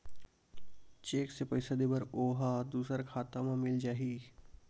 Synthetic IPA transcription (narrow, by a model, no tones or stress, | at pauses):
t͡ʃeːksepɐɪsad̪ibəɾoːɦad̪uːsəɾkʰaːt̪amãmɪld͡ʒaːɦiː